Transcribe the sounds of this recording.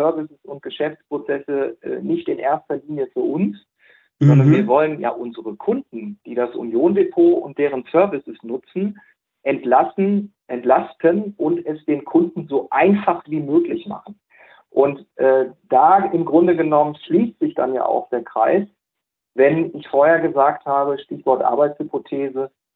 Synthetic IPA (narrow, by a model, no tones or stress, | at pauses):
œɐvɪsəsʊnt̚ɡ̥əʃɛft͡spʁ̥ot͡sɛsəʔɛ̰ːnɪçtɪnʔḛːɐstɐliːnjəfyːɐʔʊns | z̥ɔndɐnviːɐvɔlənja̰ːʔʊnzəʁəkʰʊndn̩d̥iːdasʔṵnjoːndepʰoːʊ̰nt̚d̥eːʁ̞ənsœɐvɪsəsnʊt͡sn̩ | ʔɛntlasn̩ | ʔɛntlastʰənʔʊntɛsd̥eːnkʰʊndn̩zoːʔaɪnfaχv̥iːmøːklɪçma̰χn̩ | ʔʊntʔɛːd̥aːɪmɡʁʊndəɡənɔmənʃliːstz̥ɪçd̥a̰nja̰ːʔa̰ʊxd̥eːɐkʁ̥a̰ɪs | vɛnɪçfoːɐheːɐɡəzaːkthaːbəʃtɪçv̥ɔɐtʔa̰ɐbaɪtt͡shʏpʰotʰeːzə